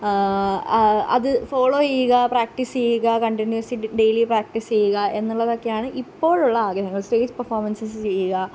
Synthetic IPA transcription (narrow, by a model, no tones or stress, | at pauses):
ɐ̰ðɨfoːɭoːt͡ɕejːuɣɐpɾaːk̚ʈist͡ɕe̞juɣɐkɐɳʈinjuɐsiɖe̞jlipɾaːk̚ʈist͡ɕe̞juɣɐʔe̞nːuɭːɐðo̞kːejaːɳɨʔipːo̞ːɻuɭːɐaːɡɐɦɐŋːɐɭsʈe̞ːd͡ʑpɐrfoːrmɐnsɐst͡ɕe̞jːuɣɐ